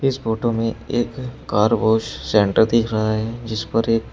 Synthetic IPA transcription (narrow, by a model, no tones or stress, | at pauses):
ɪsboːʈõmẽeːkːaːɾboːʃsɛ̃ːɳʈəɾd̪iːkʰɾɐɦaɦɛd͡ʒɪspɐɾeːk